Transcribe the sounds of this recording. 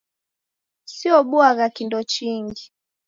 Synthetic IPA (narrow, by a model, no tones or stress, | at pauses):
siɔɓuaɣakindɔt͡ʃiŋɡi